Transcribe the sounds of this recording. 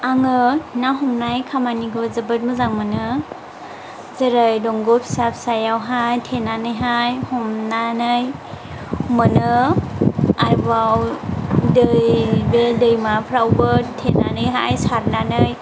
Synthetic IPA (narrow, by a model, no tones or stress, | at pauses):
aŋɯnaɦɔmnajkʰamaniɡɯzəbɯt̚mɯzaŋmɯnɯ | zəɾɯjdɔŋɡɔpʰsapʰsajawɦajtʰenanɯjɦajhɔmnanɯj | mɯnɯ | ajbaw | dɯjbedɯjmapʰɾawbɯtʰenanɯjɦa̰jsaɾnanɯj